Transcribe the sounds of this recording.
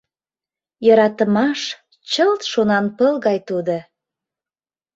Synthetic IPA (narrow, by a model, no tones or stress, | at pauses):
jəɾɑt̪əmɑʃ | t͡ɕəlt̪ʃonɑnpəlɣɑjt̪ud̪o